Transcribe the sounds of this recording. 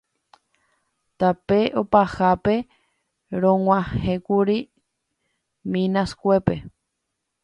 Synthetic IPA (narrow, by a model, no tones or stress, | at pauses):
t̪apeʔo̞pahape̞ | ɾõwʷãhẽkuɾi | mĩnaskʷe̞pe̞